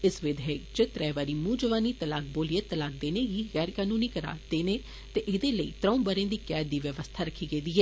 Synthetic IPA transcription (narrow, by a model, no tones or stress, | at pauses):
ɪsʋɪd̪ɦɛit͡ʃɪt̪ɾɛːʋaːɾiːmũːd͡ʒəʋaːniːt̪əlaːk̚boːlieːt̪əlaːk̚d̪eːneːɡiːɣɛːɾkaːnũːniːkəɾa̰ːd̪eːneː | t̪eːʔɪːd̪eːləḭːt̪ɾãːũːbəɾẽːd̪iːkɛːd̪ːiːʋjəʋəst̪ʰaːɾəkʰiːɡeːd̪iːɦɛː